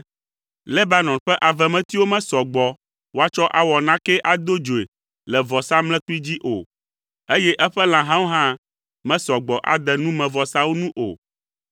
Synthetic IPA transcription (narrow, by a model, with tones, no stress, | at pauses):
lɛ˦ba˦nɔ̃˨nɸɛ˦ʔa˨vɛ˨mɛ̃˦t̪i˦wo˦mɛ̃˦sɔ˨ɡ͡bɔ˨ | wo˦a˦t͡ʃɔ˦ʔa˨wɔ˨nã˦kɛ˦ʔa˨d̪o˦d͡ʒo˨e˨ | lɛ˨vɔ˨sa˦ml̃ɛ̃˦k͡pu˦i˦d͡ʑi˦ʔo˨ | e˦jɛ˦ʔɛ˦ɸɛ˦l̃ã˨ɦã˦wo˦ɦã˦ | mɛ̃˦sɔ˨ɡ͡bɔ˨ʔa̰˨d̪ɛ˨nũ˦mɛ̃˨vɔ˨sa˦wo˦nũ˦ʔo˨